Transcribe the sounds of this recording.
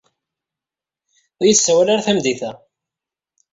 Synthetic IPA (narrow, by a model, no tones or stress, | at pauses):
jəsːæwælaɾaθæmd̪iθæ